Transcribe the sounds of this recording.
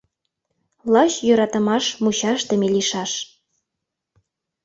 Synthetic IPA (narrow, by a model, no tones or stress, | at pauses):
lˠɑɕjø̆ɾɑt̪ɤ̆mɑʃmuɕɑʃt̪ĕmeliʃɑʃ